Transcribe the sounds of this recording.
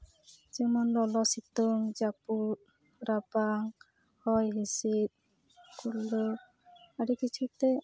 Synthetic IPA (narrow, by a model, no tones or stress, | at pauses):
d͡ʒemɔnlɔlɔsit̪ɔŋd͡ʒaput̪̚ | ɾapaŋ | hɔjɦisit̪̚ | kʰulːɔ | aɽikit͡ʃʰut̪ɛ